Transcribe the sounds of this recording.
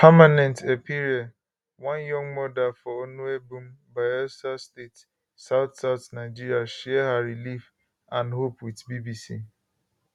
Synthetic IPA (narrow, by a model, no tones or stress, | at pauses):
pʰamanɛ̃ntʰepiɾed | wɔ̃njɔ̃ŋmɔdafɔonuebum̩baɪɛsastet | saʊtsaʊtnaɪd͡ʒiɾijaʃɛɦaɾilif | ãnɦopwitbibisḭ